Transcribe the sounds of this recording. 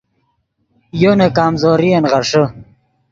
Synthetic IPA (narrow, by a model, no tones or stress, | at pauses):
jonekaːmzoːɾienʁɐʂə